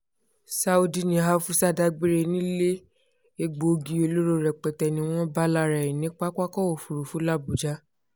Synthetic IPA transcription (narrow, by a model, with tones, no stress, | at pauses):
sa˧u˧di˨nĩ˨a˦fu˦sa˦da˧ɡ͡be˦ɾe˧nĩ˦le˦ | e˧ɡ͡bo˨ɡi˧˨o˧lo˦ɾo˦ɾɛ˨k͡pɛ˨tɛ˨nĩ˧w̃ɔ̃˦ba˦la˦ɾɛ˨ĩ˨nĩ˦k͡pa˦kʷa˦kɔ˦o˨fu˨ɾu˨fu˨˦la˦˨bu˨d͡ʒa˦